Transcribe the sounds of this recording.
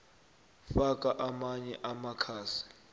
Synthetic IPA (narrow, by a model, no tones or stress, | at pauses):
fak̬ʼaʔamaɲɛʔamakʰaːsi̥